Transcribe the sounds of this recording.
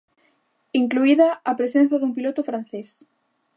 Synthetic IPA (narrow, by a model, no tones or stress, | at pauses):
iŋkluiðaːpɾesen̟θaðumpilot̪ofɾanθes